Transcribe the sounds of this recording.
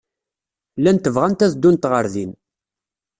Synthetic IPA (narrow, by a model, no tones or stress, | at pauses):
lːænt̪əvʁænt̪æzd̪unt̪ʁəɾðin